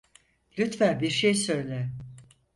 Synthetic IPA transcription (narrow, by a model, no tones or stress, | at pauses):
lʲyt̪fænbiɾʃejsø̞jlʲɛ